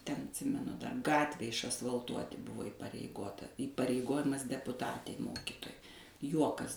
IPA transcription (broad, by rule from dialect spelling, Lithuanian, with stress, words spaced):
tʲɛn ɐtʲˈsʲɪmʲɛnʊ ˈtɑː ˈɡɑːtʲʋʲæː ɪʃɐsʋɐlˠˈtuɔtʲɪ ˈbʊʋoː ɪpɐrʲɛɪˈɡoːtɐ iːpɐrʲɛɪˈɡoːjɪmɐs dʲɛpʊˈtɑːtʲɛɪ ˈmoːkʲiːtoːjɛɪ ˈjuɔkɐs